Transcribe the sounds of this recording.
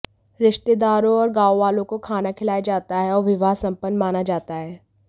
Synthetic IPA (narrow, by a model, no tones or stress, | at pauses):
ɾɪʃt̪ed̪aːɾõɔːɾɡaːoʋaːlõkokʰaːnakʰɪlaːjed͡ʒaːt̪aɦɛɔːɾʋɪʋaːɦsɐ̃mpənːmaːnad͡ʒaːt̪aɦɛː